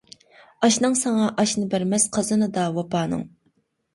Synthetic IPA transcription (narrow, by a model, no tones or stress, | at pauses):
ɑʃnɨŋsɑŋɑʔɑʃnɨbæɾmɛsqʰɑzɨnɨd̪ɑwɑpɑːnɨ̰ŋ